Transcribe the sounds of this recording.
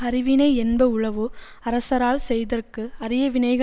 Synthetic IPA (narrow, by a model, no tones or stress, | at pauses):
ɐɾɪʋɪnɐɪɛnbɐʊɭɐʋɯ | ɐɾɐsɐɾaːlsɛjðɐrkɯɐɾɪjɐʋɪnɐɪɣɐ